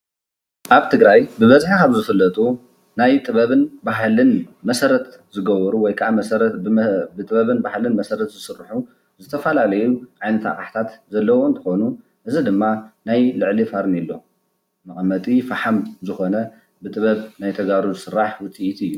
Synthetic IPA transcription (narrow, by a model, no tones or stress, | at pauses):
ʔaβt̪ʰɨɡɾajbɨβɐzħikaβzɨfɨlːɐt̪ʼu | najt̪ʼɨβɐβɨnbaɦlɨnmɐsɐɾɐt̪ʰzɨɡɐβɔɾuwɔjkʰaʔaɾbɨt̪ʼɨβɐβɨnbahlɨnmɐsɐɾɐt̪zɨsɨrːħu | zɨt̪ʰɐfɐlalɐjuʕajnɐt̪a̰χʼaħt̪ʰat̪zɐlːɐwont̪ʰɨ̥xonu | ʔɨzid̪ɨmːanajlɨʕlifaɾnilːo̞ | mɐχʼɐmːɐt̪ʼifaħamzɨxo̞nɐ | bɨt̪ʼɨβɐβnajt̪ʰɐɡaɾuzɨsɨrːaħwʊt͡s̪ʼiʔit̪ʰɨjːu